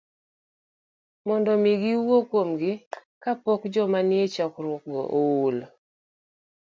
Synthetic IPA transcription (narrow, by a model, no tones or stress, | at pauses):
mɔndɔmiɡiwokomɡɪ | kapɔkd͡ʒɔmanɪet͡ʃakɾwɔk̚ɡɔ̰ʔowol